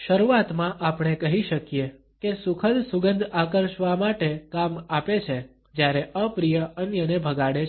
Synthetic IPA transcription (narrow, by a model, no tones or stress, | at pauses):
ʃəɾuʋat̪mãʔapɽ̃ekəɦiʃəkje | kesukʰəlsuɡənd̪ʱakəɾʃʋamaʈekamapet͡ʃʰe | d͡ʒjaɾeʔəpɾijəənjənebʱəɡaɽe